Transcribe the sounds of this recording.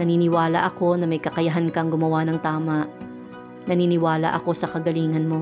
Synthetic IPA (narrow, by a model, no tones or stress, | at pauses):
nɐninɪwaːlɐ̰ʔɐko̞nɐmɐjkɐkɐjɐɦankɐŋɡʊmɐwanɐŋt̪aːmɐʔ | nɐniːnɪwaːlɐ̰ʔɐko̞sɐkɐɡɐliːŋɐnmo̞